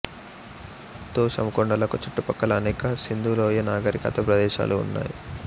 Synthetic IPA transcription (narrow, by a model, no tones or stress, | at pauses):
t̪oːsɐ̰mɐkɔɳɖɐlɐkut͡ʃɐʈːupɐkːɐlɐːnɛːkɐsind̪uːloːjɐnaːɡɐɾikɐ̰t̪ɐpɾɐd̪ɛːʃa̰ːlṵːnːa̰ːjḭ